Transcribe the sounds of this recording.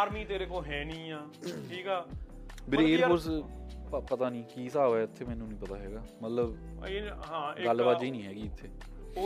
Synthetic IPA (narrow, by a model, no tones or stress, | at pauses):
ɾmiːt̪eːɾeːkoːɦɛːnĩːãːʈʰiːkaː | bɪɾeːɾkʊɾs | pət̪aːnĩːkiːsaːʋɛːɪt̪ʰːeːmɛːnũːnĩːpət̪aːɦɛːɡaːmət̪ləb | ɦãːɡalːbaːd̪d͡ʒiːnĩːɦɛːɡiːɪt̪ʰːeː